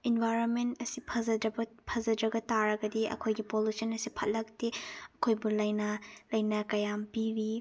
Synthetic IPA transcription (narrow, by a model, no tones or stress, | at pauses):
inbʱajɾonmentɐsipʰɐzɐdɐbɐpʰɐzɐdɾɐɡɐtaɾɐɡɐdiʔɐ̰kʰojɡipolusɐnɐsipʰɐt̚lɐk̚tiɐkʰojbulɐjnɐlɐjnɐkɐjampiɾi